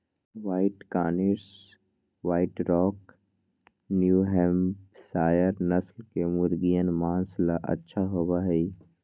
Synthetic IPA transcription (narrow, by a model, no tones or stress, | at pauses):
ʋaːɪʈkaːnɪɾs | waːɪʈɾɔːk | njuːɦɛ̃mpsaːjəɾnəslkemʊɾɡijənmaːnslaʔɐ̰tːʃʰaɦobaɦɛi